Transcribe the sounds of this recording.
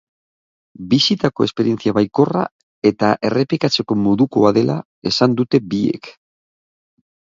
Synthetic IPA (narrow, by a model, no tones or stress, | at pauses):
bisit̪ako̞e̞spe̞ɾie̞nt͡siaβajko̞ra̰ | e̞t̪aʔe̞re̞plikat͡se̞ko̞mo̞ðuko̞aðe̞la | e̞sand̪ut̪e̞biḛk